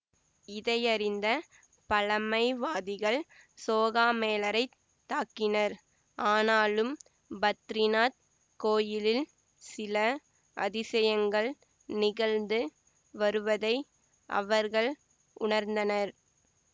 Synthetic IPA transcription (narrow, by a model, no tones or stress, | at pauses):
ɪðɐɪɐɾɪnd̪ɐ | pɐlɐmɐɪʋaːðɪɣɐɭ | soːɣaːmeːlɐɾɐɪt̪ːaːkɪnɐɾ | ʔaːnaːlɯm | bɐt̪ːɾɪnaːt̪̚ | koːjɪlɪl | sɪlɐ | ʔɐ̰ðɪsɐjɐŋɡɐɭ | nɪɣɐlnd̪ɯ | ʋɐɾɯʋɐðɐɪ | ʔɐ̰ʋɐɾɣɐɭ | ʔʊɳɐɾnd̪ɐnɐɾ